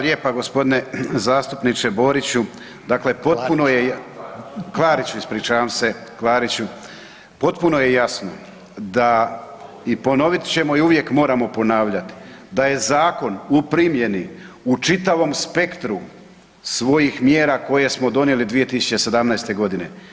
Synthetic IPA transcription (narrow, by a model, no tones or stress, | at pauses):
aljepaɡo̞spo̞d̪ine̞zaːst̪upnit͡ʃe̞bo̞ːɾit͡ɕu | d̪akle̞po̞t̪̚punoje | klˠaːɾit͡ɕuispɾiːt͡ʃaʋamse̞klaːɾit͡ɕu | po̞t̪puno̞je̞jasno̞̰ | d̪a | ipo̞no̞ʋit̪t͡ɕe̞mo̞iuʋje̞kmo̞ːɾamo̞po̞naːʋʎat̪i̥d̪aje̞zaːko̞nupɾimje̞ni | ut͡ʃit̪aʋo̞mspe̞kt̪ɾu | sʋo̞jixmjeːɾaːko̞je̞smo̞d̪o̞nje̞lid̪ʋije̞t̪isu̥t͡ɕe̞se̞d̪amnajst̪e̞ɡo̞d̪ine̞